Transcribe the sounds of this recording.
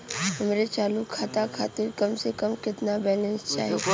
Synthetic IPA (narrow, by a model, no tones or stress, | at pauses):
ɦɐmɾet͡ʃaːlukʰːaːt̪akʰaːt̪ɪɾkɐmsekɐmkɪt̪nabɛːlɛ̃nst͡ʃa̰ːɦe